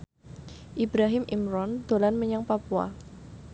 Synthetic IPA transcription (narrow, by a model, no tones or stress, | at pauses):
ʔibɾaɦɪmʔimɾɔnd̪̥olanməɲaŋpapua̰